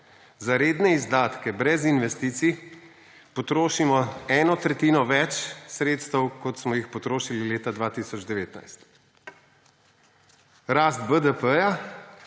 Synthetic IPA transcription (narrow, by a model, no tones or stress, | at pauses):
zaɾeːd̪nɛizd̪aːt̪kɛbɾɛzinʋɛst̪iːt̪si | pɔt̪ɾoːʃimɔɛːnɔt̪ɾɛt̪iːnɔʋɛt͡ʃsɾeːt̪st̪əwkɔt̪smɔjixpɔt̪ɾoːʃilileːt̪ad̪ʋaːt̪isɔd͡ʒd̪ɛʋeːt̪na̰jst̪ | ɾaːst̪bəd̪əpəja